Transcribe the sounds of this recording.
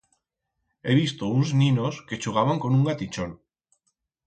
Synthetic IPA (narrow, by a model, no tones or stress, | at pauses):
eβ̞ist̪ounznĩnoske̞t͡ʃuɣ̞aβaŋkonuŋɡat̪it͡ʃon